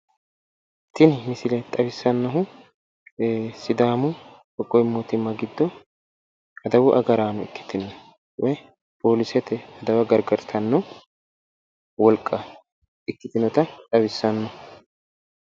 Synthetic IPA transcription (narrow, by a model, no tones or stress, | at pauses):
t̪ːɪnhɪsɪlɛt̪ʼɐwɪsːɐnːɐɦʊ | sɪd̪aːmʊbɔkʼːɔjɪmːoːt̪ɪmːɐɡɪd̪ːɔ | ɐd̪ɐwʊʔɐɡɐɾaːnʊɪ̰kːɪ̥t̪ɪnːɔ | wɛj | poːlɪsɛt̪ːɛɐd̪ɐwɐɡɐɾɡɐɾt̪ʰɐnːɔ | wɔlkʼːɐ | ɪkːɪt̪ɪnɔt̪ɐt̪ʼɐwɪsːɐnːɔ